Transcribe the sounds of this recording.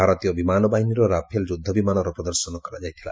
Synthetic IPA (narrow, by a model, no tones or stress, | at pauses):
aɾɔt̪ijɔbimanɔbaɦiniɾɔɾapʰeld͡ʒud̪ʱːɔbimanɔɾɔpɾɔd̪ɔɾsɔnɔkɔɾad͡ʒajt̪ʰila̰